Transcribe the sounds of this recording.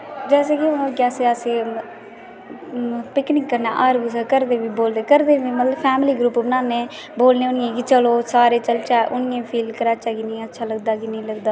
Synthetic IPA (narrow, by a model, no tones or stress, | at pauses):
d͡ʒɛːseːkionõːɡɛːseːəsĩː | pɪknɪŋkːəɾnaːʔaːɾʋiːs̬akəɾd̪eːʋiːboːld̪eːkəɾd̪eːʋiːmət̪ləbpʰɛːmliːɡɾuːpbənãːnẽː | boːlnẽːʊnɪjẽːkit͡ʃəloːsaːɾeːt͡ʃəlt͡ʃaːʔʊnɪẽːpʰiːlkəɾaːt͡ʃʰaːkinə̃ːətːʃʰaːləɡd̪aːkinəĩːləɡd̪aː